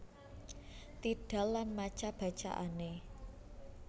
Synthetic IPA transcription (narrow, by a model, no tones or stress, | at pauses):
t̪iɖ̥a̤lːanmat͡ʃab̥a̤t͡ʃa̰ʔa̰ne